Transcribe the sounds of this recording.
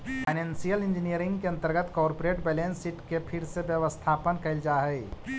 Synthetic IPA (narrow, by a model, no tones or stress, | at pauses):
pʰaɪnẽnsijəlɪ̃nd͡ʒinijəɾɪ̃ŋɡkeɐ̃nt̪əɾɡət̪kɔːɾpoɾeːʈbɛlẽnsɪʈkepʰɪɾseʋjəʋəst̪ʰaːpənkɐɪld͡ʒaːɦɛː